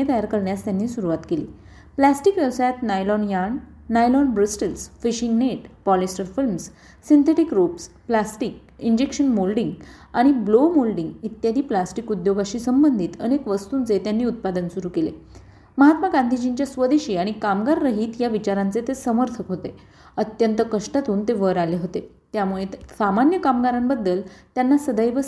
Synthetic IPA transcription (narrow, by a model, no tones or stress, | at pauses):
et̪əjaɾkəɾɳjast̪janːiːsuɾuʋat̪keliː | plasʈikʋɛʋsajat̪najlɔnjaɳː | ajlɔnbɾəsʈəlsfiɕiŋɡneʈpɔlisʈəɾfilms | sint̪ʰeʈikɾupsplasʈik̚ | iɲd͡ʑekɕənmolɖiŋɡ | aɽ̃iblomolɖĩŋɡit̪jad̪ʱiːplasʈikud̪joɡaɕiːsəmbənd̪ʱiːt̪ə̰nekʋəst̪uːnt͡set̪janːiːut̪̚pad̪ənsuɾuːkelḛ | məɦat̪maɡand̪ʱid͡ʑint͡ɕjasʋəd̪iɕiːaɽ̃ikamɡaɾːəɦiːt̪jaʋit͡ɕaɾãnt͡set̪esəməɾt̪ʰəkɦot̪e | ət̪jənt̪əkəʂʈat̪uːnt̪eʋəɾaleɦot̪e | t̪jamuɭesamanjəkamɡaɾambəd̪ːəlt̪janːasəd̪əjʋə